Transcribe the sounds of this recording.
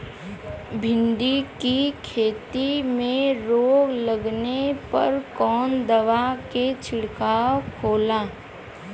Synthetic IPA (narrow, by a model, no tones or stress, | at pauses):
bʱɪ̃nd̪ikikʰeːt̪imẽɾoːɡləɡnepɐ̰ɾkɔːnd̪əʋaket͡ʃʰɪɽkaːwkʰoːlaː